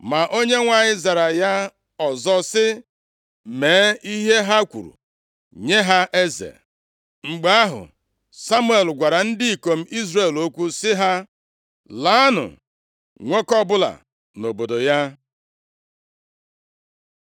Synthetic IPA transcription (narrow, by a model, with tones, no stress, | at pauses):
ma˨ʔo˦ɲe˦ŋʷa˨ɲɪ˦za˨ɾa˨ja˦ | ɔ˨zɔ˦sɪ˦ | meː˨˦i˦ɦe˦ɦa˦kʷṵ˨ɾṵ˨ | ɲe˦ɦa˦ʔe˦zḛ˨ | ŋ͡m̩˨ɡ͡ba˨˦a˦ɦʊ̰˨ | sa˦mu˦e˨lɡʷa˨ɾa˨n̩˦dɪ˦i˨ko˨m̩˦ʔi˦zre˦˨lo˦kʷu˦sɪ˦ɦa˦ | la˨˦a˦nʊ̰˨ | ŋʷo˦kɔ˦bʊ˦la̰˨ | no˨bo˨do˨ja˦